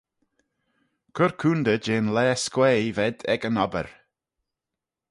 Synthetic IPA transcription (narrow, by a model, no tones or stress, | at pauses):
kʰʊɹkʰuːnd̪əd͡ʒeːnlɛːskwɛːvɛd̪ɛɡənɔbə̰ɹ